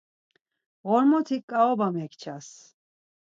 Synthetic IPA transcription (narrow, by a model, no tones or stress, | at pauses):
ɣɔɾmɔt̪ʰikʼaɔbamɛkʰt͡ʃʰas